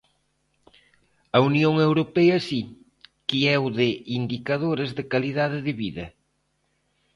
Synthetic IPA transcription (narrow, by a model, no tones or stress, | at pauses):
ɐunjoŋewɾopɛɐsi | kiɛwðɪind̪ikɐðoɾɪzðɪkaliðaðɪðɪβiðɐ̰